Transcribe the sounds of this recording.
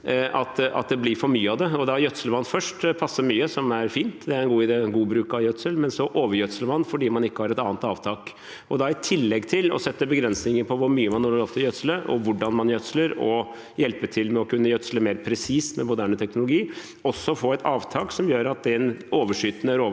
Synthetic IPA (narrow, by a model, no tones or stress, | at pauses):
ʔɑt̪ɑ̰t̪̚d̪ɛblɪɾfɔɾmyːəɑʋd̪ɛɔd̪ɑjœt̪səlʋɑnːfœʂʈpʰɑsːəɾmyːəsɔmæɾfiːnt̪d̪ɛæɾɛnɡuːɪd̪eːɡuːbɾʉːkɑjœt̪səlmɛnsɔʔoːʋəɾjœt̪sələʋɑnːfɔɖiːmɑnɪkːəhɑɾɛt̪ɑːnt̪ɑːʋt̪ʰɑːk | ɔd̪ɑɪt̪ʰɪlːɛɡːt̪ʰɪlɔ̰sɛt̪ːəbəɡɾɛnsnɪŋəpʰɔʋʊɾmyːəmɑnoːlːəɾɔpt̪ʰɪljœt̪sələʔɔ̰ʋʊɖːɑnmɑnjœt̪sləɾɔ | jɛlpət̪ʰɪlmɛɔkʉnːəjœt̪sləmeːɾpʰɾɛsiːsmɛmʊd̪æːɳət̪ʰɛknʊlʊɡiː | ɔsːɔfoːɛt̪ʰɑːʋt̪ʰɑːksɔmjøːɾɑt̪̚d̪ɛnoːʋəʂyːt̪nəæɾoː